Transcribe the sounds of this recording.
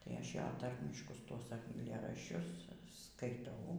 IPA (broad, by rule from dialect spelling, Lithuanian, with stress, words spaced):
ˈtɐɪ ˈɐʃ ˈjoː ˈtɐrʲmʲɪʃkʊs tuɔs ɐɪˈlʲeːrɐʃʲt͡ʃʲʊs skɐɪˈtɐʊ